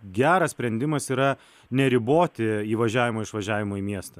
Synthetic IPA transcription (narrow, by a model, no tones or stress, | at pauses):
ɡʲæːɾɐssʲpʲɾʲɛnʲd̪ʲɪmɐsiːɾɐ | nʲɛɾʲɪboːt̪ʲɪiːʋɐʒʲæːʋʲɪmoːɪʃʋɐʒʲæːʋʲɪmoːiːmʲiɛst̪ɐ